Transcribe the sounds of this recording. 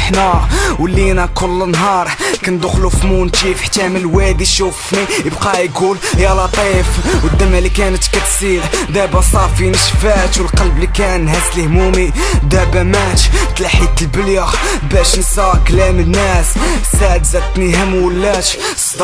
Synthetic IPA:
ħnæwəlːinækʊlːənɦɑɾˤkænd̪ʊxlufmunt̪ifħt̪ːæmənəlwæd̪iʃufnijəbqɑjɡuljɑlɑt̪ˤifwəd̪ːəmælikænət̪kæt̪siɾd̪æbæsˤɑfinəʃfæt̪wəlqɑlblikænhæslhmumi | d̪æbæmæt̪t̪laħit̪əlbəljəx | bæʃnsɑklæmənːæssæʕd̪zæt̪nihəmwəlːæt̪ | sd̪

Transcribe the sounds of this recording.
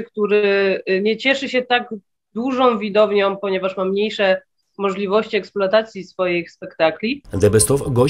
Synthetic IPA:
kt̪uɾɘɲɛt͡ɕɛʂɘɕɛt̪aɡ | d̪wuʐɔ̃w̃vʲid̪ɔvɲɔ̃w̃pɔɲɛvaʂmamɲejʂɛ | mɔʐlʲivɔɕt͡ɕiɛksploat̪at̪sʲjisfɔjexspɛkt̪aklʲid̪ɛbɛst̪ɔfɡɔ

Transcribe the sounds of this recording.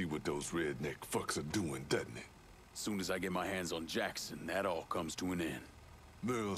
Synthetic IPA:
iwʌt̪̚ðoʊzɹɛdⁿnɛkfʌksəduɪ̃ŋdɛdⁿn̩i | sũnɨzaɪɡɛt̚maɪhæ̃ndzn̩d͡ʒæksɨ̃nðɨɾɔlˠkʰʌ̃mz̥tʰəə̃nɪ̃n | mɜ˞l̩

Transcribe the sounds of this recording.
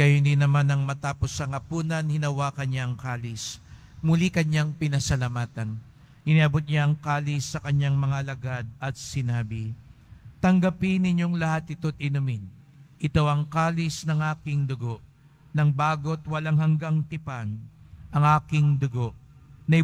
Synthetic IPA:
ɡɐjoninɐmanɐŋmɐt̪aːpo̞sːɐŋɐpuːnɐnhɪnɐwaːkɐnɲaɐŋkaːlɪs | mʊlikɐɲaŋpɪnɐsɐlamaːt̪ɐn | ʔɪniʔɐbot̪̚ɲaʔɐŋkaːlɪsːɐkɐɲːaŋmɐŋaʔɐlɐɡad̪̚ɐt̪̚sɪnaːbɪ | t̪ɐŋɡɐpinɪɲo̞ŋlɐhat̪ɪt̪o̞t̪̚ɪnʊmɪn | ʔɪt̪oʔɐŋkaːlɪsnɐŋʔaːkɪŋd̪ʊɡo̞ʔ | nɐŋbaːɡo̞t̪wɐlaŋhɐŋɡaŋt̪ɪpanʔɐŋʔaːkɪŋd̪ʊɡo̞ʔnɐ

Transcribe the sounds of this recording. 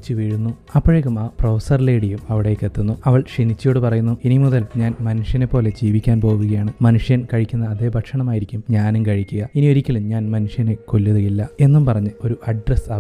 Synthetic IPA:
t͡ɕːɨʋiːɻunːu | ɐpːɐɻekːumaːproːsɐrleːɽijumɐʋiɽejkːet̪ːunːuɐʋɐɭʂinit͡ɕːɐjoːɽɨpɐrɐjunːuinimuðɐlɲaːnmɐnuʂjɐne̞pːo̞ːle̞d͡ʑiːʋikʲːaːnpo̞ːʋuɣɐjaːɳɨmɐnuʂjɐnkɐɻikʲːunːɐːðe̞ːbʱɐʈʂɐɳɐmaːjiɾikʲːumɲaːnumkɐɻikʲːuɣɐinio̞ɾikʲːɐlumɲaːnmɐnuʂjɐne̞ko̞lːuðuɣilːɐe̞nːumpɐrɐɲːɨo̞ɾuʔɐɖrɐsaː

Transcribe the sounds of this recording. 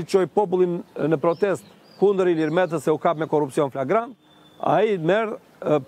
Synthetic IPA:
it͡ɕɔjpɔp̬ulˠimnəpɾɔt̪ɛst̪ | kund̪əɾiliɾmɛt̪̬əsɛukapmɛkɔrupsiɔnflaɡɾant̪ | a̰imɛɾ

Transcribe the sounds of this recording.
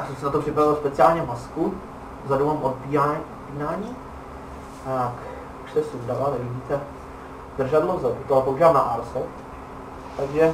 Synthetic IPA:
asɛmsɛnat̪o̞pr̝̥ɪpɾavɪlspɛt͡sɪaːlɲɛvmasku | zadowmaːmʔot̪piaot̪piːnaːɲiː | t̪ak | u̥ʃsɛsudavanɛlibiːt̪ɛ | d̪r̩ʒadlozadut̪oapouʒalna̰ʔaɾsɛ | t̪aɡʒɛ

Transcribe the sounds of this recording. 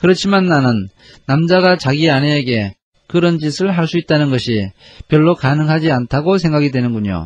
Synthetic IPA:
kɯɾʌt͡ɕʰimanːanɯnː | amd͡ʑaɡat͡ɕaɡianeːɡe̞ | kɯɾʌnd͡ʑisʰɯɭɦaɭs͈uit̚t͈anɯnɡʌɕʰi | pjʌɭːokanɯŋɦad͡ʑiantʰaɡos̬ʰe̞ŋɡaɡidwe̞nɯnɡuɲo̰

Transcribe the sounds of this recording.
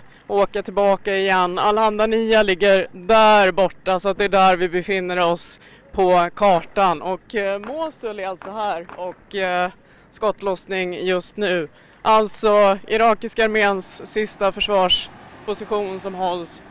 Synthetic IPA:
oːkat̪ʰɪlbɑːkaɪjɛnːa̰lhand̪aniːalɪɡːəɾd̪æɾbɔʈːasɔat̪̚d̪ɛæɖæɾvɪbɛfɪnːəɾɔs | pʰɔkʰɑːʈanʔɔkmoːsɵlːalt̪sɔɦæːɾɔk | skɔt̪ːlɔsnɪŋjɵst̪nʉ̟ː | ʔalt̪sɔɪɾɑːkɪskaaɾmeːnsːɪst̪afœʂvɑːʂpʰʊsɪɧuːnsɔmɦɔls

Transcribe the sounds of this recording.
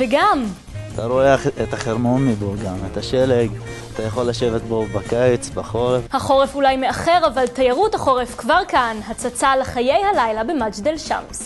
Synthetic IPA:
veɡam | at̪ʰaɾoeaχet̪aχeɾmo̞nmiboɡamet̪aʃeleɡ | at̪ajaχo̞lːaʃevet̪bo̞bakajt͡sbaχo̞ʁefhaχo̞ʁefulajmeaχe̞ʁavalt̪ajaʁuthaχo̞ʁefkvaʁkanɦat͡sat͡saleχaje̞jhalajlabe̞mat͡ʃdelʃa̰ms

